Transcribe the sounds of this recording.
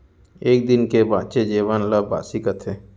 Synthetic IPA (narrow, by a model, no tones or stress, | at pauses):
eːk̚d̪ɪnkebaːt͡ʃed͡ʒeːʋaːnlaba̰ːsikət̪ʰeː